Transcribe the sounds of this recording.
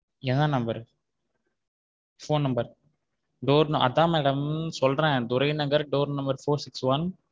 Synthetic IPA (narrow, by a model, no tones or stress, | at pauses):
ɛnd̪ãːnɐmbɐɾ | foːnːɐmbɐɾ | ɖoːɾnɐʔɐ̰d̪ãːmɛːɽɐmsɔlɾẽːd̪ʊɾɐɪnɐŋɡɐɾɖoːɾnɐmbɐɾfoːɾsɪksʋɐn